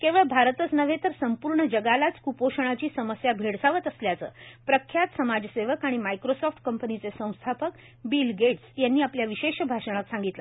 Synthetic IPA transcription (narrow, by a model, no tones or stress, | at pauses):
keʋəɭbʱaɾt̪ət͡snəʋ̤ʱet̪əɾsəmpuɾɳəd͡ʑəɡalat͡skupoʂəɳ̃at͡ɕiːsəməsjabʱeɽsaʋət̪əsljat͡sə̰ːpɾəkʰːjat̪səmad͡ʑseʋəkaɽ̃imajkɾosɔfʈkəmpənit͡sesə̃w̃st̪ʰapək | bilɡeʈsjanːiːapljaʋiɕeɕbʱaʂəɽ̃ak̪sãŋɡit̪lə